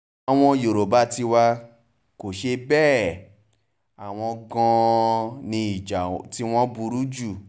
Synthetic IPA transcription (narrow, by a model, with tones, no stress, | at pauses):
a˨w̃ɔ̃˧jo˨ɾo˨ba˦ti˧wa˧ | ko˨ʃe˧bɛː˦˨ | a˨w̃ɔ̃˧ɡã˧nĩ˧i˨d͡ʒa˨ti˦w̃ɔ̃˦bu˧ɾu˦d͡ʒu˦˨